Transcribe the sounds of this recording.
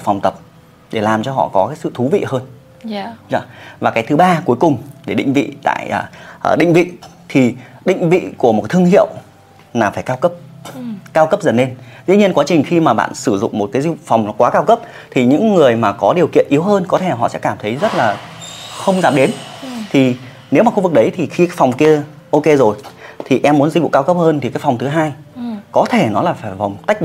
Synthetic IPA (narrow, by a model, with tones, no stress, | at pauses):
fa˨˩wŋ͡mt̪ə˨˩p̚ | ɗe˧˩laː˨˩mt͡ɕɔ˧ɦɔ̰˧˨kɔ˨˦kaː˨˦jsɨ̰˧˨t̪ʰu˨˦vḭ˧˨həː˧n˧ | zaː˧˦vaː˨˩kaː˨˦jt̪ʰɨ˨˦ɓaː˧ku˨˦jkʊ˨˩ŋ͡mɗe˧˩ɗḭ̈˧˨ŋ̟vḭ˧˨t̪a̰ː˧˨jəː˨˩˨ɗï˧˨ŋ̟vḭ˧˨ | t̪ʰi˨˩ɗḭ̈˧˨ŋ̟vḭ˧˨ku˧˩əm˨˩tt̪ʰɨ˧əŋhḭ˧˨əw | naː˨˩faː˧˩jkaː˧wkə˦˥p̚kaː˧wkə˦˥p̚zə˨˩nːe˧nzḭ˧˥ɲi˧ənkwaː˨˦t͡ɕï˨˩ŋ̟xi˧maː˨˩ɓa̰ː˧˨nsɨ˧˩zʊ̰˧˨ŋ͡mmo˨˩t̚kaː˨˦jzfa˨˩wŋ͡mkwaː˨˦kaː˧wkə˦˥p̚ | t̪ʰi˨˩ɲɨ̰˧˥ŋːɨ˨˩əjmaː˨˩kɔ˨˦ɗi˨˩əwkḭ˧˨ənʔi˨˦əwɦəː˧nkɔ˨t̪ʰe˧˩a˨˩ɦɔ̰˧˨sɛ̰˧˥kaː˧˩mt̪ʰə˨˦jzə˦˥t̚laː˨˩xə˧wŋ͡mzaː˨˩p̚ɗe˨˦nt̪ʰi˨˩ | ne˨˦wmaː˨˩xu˧vɨ˨˩k̚ɗə˨˦jt̪ʰi˨˩xi˧kaː˦˥kfa˨˩wŋ͡mki˧ə | ʔo˧ke˧zo˨˩jt̪ʰi˨˩ʔɛ˧mːu˨˦ənzi̟˧vṵ˧˨kaː˧wkə˦˥p̚həː˧nt̪ʰi˨˩kaː˨˥jkfa˨˩ŋ͡mt̪ʰɦaː˧jkɔ˨˦t̪ʰe˧˩nɔ˨˦laː˨˩faː˧˩jva˨˩wŋ͡mt̪a˦˥k̟̚